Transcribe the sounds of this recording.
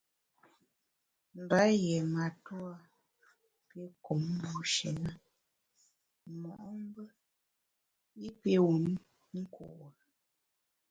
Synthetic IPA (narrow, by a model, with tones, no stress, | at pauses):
m˨ba˨˦jɛ˨ma˨tu˦a˦ | pje˦ko˨˦m˦bu˦ʃe˨nə˦ | mɔ˨ʔm˦bə˦ | i˦pje˦wu˨n˦ | ŋ̩˦ko̰˨ʔ